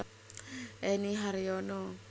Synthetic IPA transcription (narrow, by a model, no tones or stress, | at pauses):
ɛniɦaɾiono